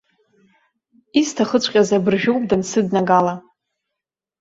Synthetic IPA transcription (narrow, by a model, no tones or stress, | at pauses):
istʰaχət͡ɕʷʰʼqʲʼazabɨrʒᶣowpʼdansɨdnaɡala